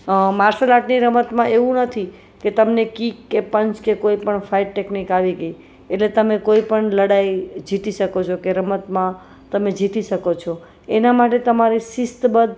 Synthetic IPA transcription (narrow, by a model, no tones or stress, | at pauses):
maɾsəlaʈniɾəmət̪mãʔeũnət̪ʰi | ket̪əmnekikːepəɲt͡ʃkekoipəɳfʰaiʈʈeknikaʋiɡəi | eʈlet̪əmẽkoipəɳləɽaid͡ʒʱit̪iʃəkot͡ʃʰokeɾəmət̪mã | t̪əmẽd͡ʒʱit̪iʃəkot͡ʃʰo | enamaʈet̪əmaɾisist̪bəd̪